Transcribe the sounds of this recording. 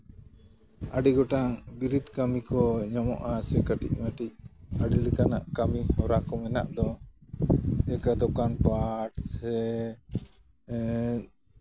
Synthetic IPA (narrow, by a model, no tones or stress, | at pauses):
aɖiɡɔʈabiɾid̪kamikɔɲɔmɔ̰ʔasɛkaʈḭc̚maʈic̚aɖilikana̰ʔkamihɔɾaʔkɔmɛna̰ʔd̪ɔ | ɛkad̪ɔkanpaʈsɛ